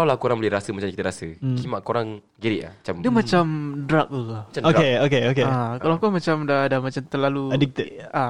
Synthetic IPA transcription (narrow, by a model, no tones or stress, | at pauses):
alawlahkoɾaŋbəlɛɾasəmat͡ʃamkit̪əɾasəkimaʔkoɾaŋ | ɡiɾiʔa̰hmat͡ʃamdəmat͡ʃamdɾak̚lakaat͡ʃaoaeokeokeakalawkɔmat͡ʃamdadamat͡ʃamt̪əlaluɛdik̚t̪əa